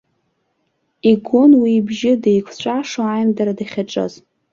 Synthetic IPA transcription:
iɡʷʊnwibʒɪdejkʷʰt͡ɕʷʼaʂoajmdaɾadaχʲaʈ͡ʂʼɨ̰z

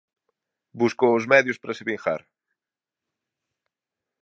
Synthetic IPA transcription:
buskoʊzmɛðjʊspɾɐsɪβiŋxa̰ɾ

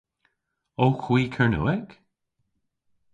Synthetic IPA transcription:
oːxwiːkʰəɹnṵːɛk

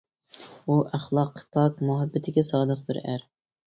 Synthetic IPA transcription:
uʔæχlˠɑqʰːpʰɑkmʊɦɛbːɪt̪ʰɪɡʲɛsɑːd̪əq̚bɪɾæ̰ɾ

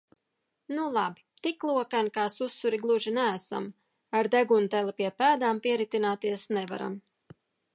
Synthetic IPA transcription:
nulˠabi̥t̪iklˠuɔkankaːsusːuɾiɡlˠuʒinæːsa̰m | aɾd̪æɡunt̪ɛlʲˠipiɛpæːd̪aːmpiɛɾit̪inaːt̪iɛsnɛva̰ɾa̰m

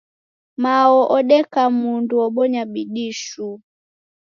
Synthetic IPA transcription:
maɔʔɔɗɛkamunduɔɓɔɲaɓiɗiʃu

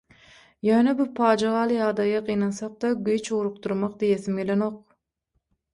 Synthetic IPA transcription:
jøːnebɪpʰɑːd͡ʒɑʁɑːlˠɯjɑd̪ɑjɑqʰijnɑnsɑq̚d̪ɑɡʲyjt͡ʃuɾuq̚t̪uɾmɑqd̪ijeθimɡʲelenoq̚

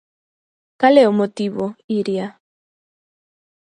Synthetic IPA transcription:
kaleomot̪iβoiɾja

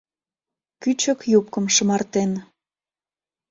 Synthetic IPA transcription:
kyt͡ɕəkjup̚kə̆mʃə̆mɑrt̪en

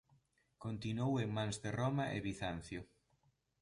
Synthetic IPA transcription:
kont̪inoweŋmãŋzðɪromɐʔḛβiθan̟θjʊ

